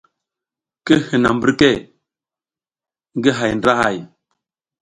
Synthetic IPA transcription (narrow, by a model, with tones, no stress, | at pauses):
ke˦hi˨na˨m˦bi˦ɾke˦˨ | ŋ˦ɡe˦ɦa˨jn˨da˦ha̰˦˨j